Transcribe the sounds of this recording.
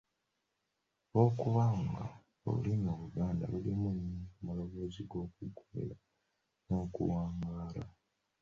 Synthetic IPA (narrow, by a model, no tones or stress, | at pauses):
βo̞ːkuβaŋɡa | o̰limuβuɡaːnda̰βulimunːikumalo̞βo̞ːziɡo̞ːkuɡumḛɾa | no̞ːkṵwaːŋɡaːla